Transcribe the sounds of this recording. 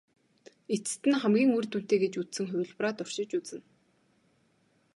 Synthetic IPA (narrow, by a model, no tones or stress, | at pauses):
et͡s̆t̪ɘ̆nχæmɡʲiːŋujrt̪un̥t̪eːɡet͡ɕut͡ssɘ̆ŋχʊw̆ʲɮpraːt̪ʊr̥ʃɪ̆t͡ɕut͡sɘ̆n